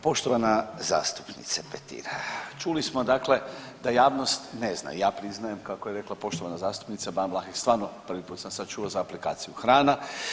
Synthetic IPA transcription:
po̞ʃt̪oʋanaza̰ːst̪u̥pnḭt̪sapet̪ḭɾat͡ʃulismod̪akle̞ | d̪ajaːʋnost̪nezna̰jaːpɾiznajemkakojeɾe̞klˠapo̞ʃt̪oʋanazaːst̪u̥pnit̪sabamlˠaxist̪ʋaːɾnoprʋipuːt̪samsad̪̚t͡ʃuozaːplika̰ːt̪sijuxɾaːna

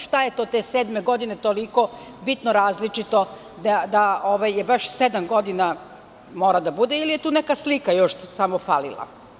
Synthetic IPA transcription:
ʃt̪ajet̪o̞t̪eseːd̪me̞ɡo̞d̪inet̪oliko̞ | bit̪noɾaːzlit͡ʂit̪o̞ | d̪ad̪aʔoʋajːebaʃsed̪amɡo̞d̪ina | mo̞ːɾad̪abud̪eilije̞t̪uːnekaslikajo̞ʃsamofalḭlˠa̰

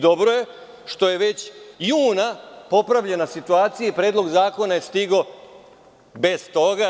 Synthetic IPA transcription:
d̪o̞bɾoje̞ | ʃt̪o̞je̞ʋe̞t͡ɕjuːnapo̞pɾaʋʎenasit̪uaːt̪sijeipɾe̞ːd̪lˠo̞ɡzaːko̞najest̪iɡo̞ | be̞st̪o̞ɡa

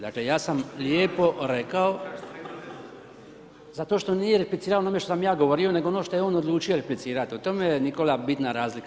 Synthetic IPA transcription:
d̪a̰klejaːsamljeːpo̞ɾekao | zat̪o̞ːʃt̪o̞nijeɾeplit̪siːɾaonome̞ʃt̪osamjaːɡoʋoɾio̞ne̞ɡonoʃt̪o̞jeo̞ːnod̪lˠuːt͡ʃioɾeplit̪siːɾat̪iut̪omejenikolabit̪naɾaːzlika

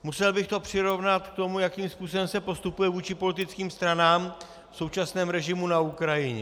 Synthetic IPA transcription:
musɛlbɪxt̪o̞pr̝̥ɪɾo̞vnat̪k̚t̪o̞mujakiːmspuːsobɛmsɛpo̞st̪upujɛvuːt͡ʃɪpo̞lɪt̪ɪt͡skiːmst̪ɾanaːm | fso̞wt͡ʃasnɛːmɾɛʒɪmunaukɾajɪɲɛ

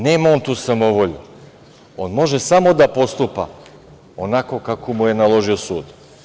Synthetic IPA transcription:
neːmaont̪uːsamo̞ʋo̞ʎṵ | o̞nmo̞ʒesamo̞d̪apo̞st̪upa̰ | onako̞kakomuje̞nalˠo̞ʒio̞suːd̪

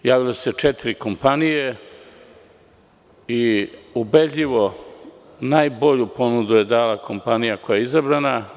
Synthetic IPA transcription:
jaːʋilese̞t͡ʃet̪iɾiko̞mpanije | iubed̪ʎiʋo̞ | najbo̞ʎupo̞nud̪uje̞d̪aːlakʰo̞mpanijakojajeizabɾana

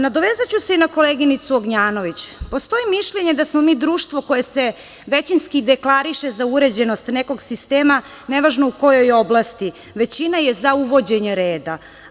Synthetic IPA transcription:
nad̪o̞ʋezat͡ɕuse̞inakoleɡinit̪suoɡɲaːno̞ʋit͡ɕpo̞st̪o̞imiʃʎe̞ɲed̪asmo̞miːd̪ɾuːʃt̪ʋo̞ko̞jese | ʋet͡ɕinskid̪eklˠaɾiʃezauɾe̞d͡ʑe̞nost̪neko̞ɡsist̪eːma | neʋaʒnouko̞jo̞jo̞blast̪i | ʋe̞t͡ɕinajezauʋo̞d͡ʑeɲeɾeːd̪a

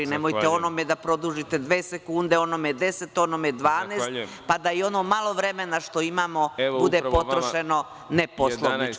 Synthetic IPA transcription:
inemojt̪eo̞nomed̪apɾo̞d̪uːʒit̪e̞d̪ʋeːsekuːnd̪eo̞nomed̪e̞se̞t̪o̞nomed̪ʋaːneːst | pad̪aio̞noːmalˠo̞ʋɾe̞me̞naʃt̪oimaːmo̞bud̪epo̞t̪ɾoʃe̞no̞ | neposlˠonnit͡ʃ

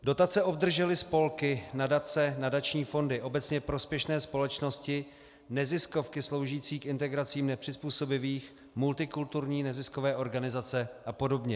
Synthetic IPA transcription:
do̞t̪at͡sɛʔo̞b̚d̪r̩ʒɛlɪspo̞lkɪnadat͡sɛnadat͡ʃɲiːfo̞ndɪʔo̞bɛt͡sɲɛpɾo̞spjɛʃnɛːspo̞lɛt͡ʃno̞scɪ | nɛzɪsko̞fkɪslo̞wʒiːt͡siːkʔɪnt̪ɛɡɾat͡siːmnɛpr̥ɪspuːso̞bɪviːx | mult̪ɪkult̪uɾɲiːnɛzɪskovɛːʔo̞ɾɡanɪzat͡sɛʔapo̞do̞bɲɛ

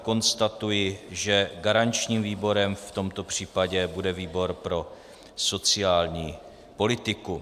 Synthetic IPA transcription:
ko̞nst̪at̪ujɪʒɛɡaɾaɲt͡ʃɲiːmviːbo̞ɾɛmft̪o̞mt̪o̞pr̝̥iːpaɟɛbudɛviːbo̞ɾpɾo̞ | so̞t͡sɪaːlɲiː | po̞lɪt̪ɪku

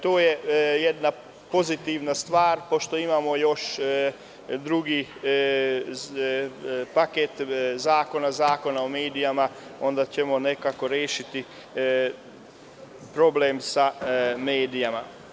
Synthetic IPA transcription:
t̪oːjejed̪na | po̞zit̪iʋnast̪ʋaːɾpo̞ʃt̪o̞imamo̞jo̞ʃ | d̪ɾuɡi | paket̪zaːko̞nazaːko̞naomeːd̪ijamao̞nd̪at͡ɕemo̞ne̞kako̞ɾjeːʃit̪i | pɾo̞bleːmsameːd̪ijama

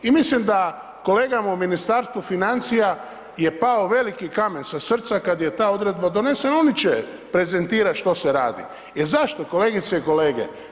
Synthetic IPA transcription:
imislimd̪a | ko̞le̞ːɡamauminist̪aːɾst̪ʋufinant̪sija | je̞paoʋe̞likikamensasr̩t̪sakad̪je̞t̪aːo̞d̪ɾe̞d̪̚bad̪o̞ne̞senaonit͡ʃe | pɾe̞ze̞nt̪iːɾaʃt̪o̞seɾa̰ːd̪ḭ | jeɾzaʃt̪o̞ko̞le̞ːɡit̪seiko̞leːɡḛ

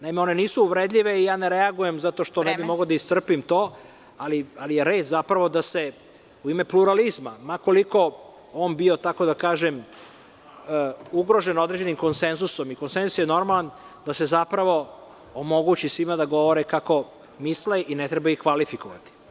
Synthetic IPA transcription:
naimeo̞ne̞niːsuːʋɾed̪ʎʲiʋe̞ijaːneɾeaɡuje̞mzat̪oʃt̪onebimoɡod̪aist̪r̩pimt̪oː | alialije̞ɾe̞ːt̪zapɾaʋo̞d̪ase | uime̞pluɾalizmamako̞liko̞ | oːnbio̞t̪ako̞d̪akaːʒem | uɡɾo̞ʒeno̞d̪ɾed͡ʑe̞nimko̞nsenzuso̞miko̞nsenzusjeno̞ɾmalˠan | d̪ase̞zapɾaʋo̞ | omo̞ɡut͡ɕisʋimad̪aɡo̞ʋo̞ɾɛkako̞ | misleʔinet̪ɾebaixkʋalifikoʋa̰t̪i̥

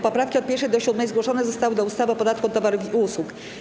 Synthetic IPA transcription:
pɔpɾafkʲiɔt̪̚pʲɛɾʂɛd̪ɔɕud̪mɛjzɡwɔʂɔnɛzɔst̪awɘd̪ɔust̪avɔpɔd̪at̪kuɔt̪ːɔvaɾuvʲiuswuk

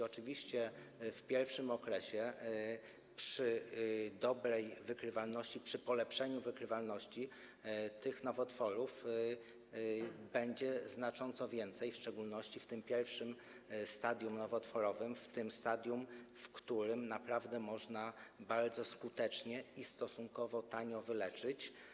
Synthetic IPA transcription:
ɔt͡ʂɘvʲiɕt͡ɕɛfpʲjɛɾfʂɘmɔkɾɛɕɛ | pʂɘd̪ɔbɾɛjvɘkɾɘvalnɔɕt͡ɕipʂɘpɔlɛpʂɛɲuvɘkɾɘvalnɔɕt͡ɕi | t̪ɘxnɔvɔt̪fɔɾuf | bɛɲd͡ʑɛznat͡ʂɔnt̪sɔvʲjɛnt̪sɛjfʂt͡ʂɛɡulnɔɕt͡ɕift̪ɘmpʲjɛɾfʂɘm | st̪ad̪ʲjumnɔvɔt̪fɔɾɔvɘmft̪ɘmst̪ad̪ʲjumfkt̪uɾɘmnapɾavd̪ɛmɔʐnabaɾd̪zɔskut̪ɛt͡ʂɲɛist̪ɔsuŋkɔvɔt̪aɲɔvɘlɛt͡ʂɘt͡ɕ

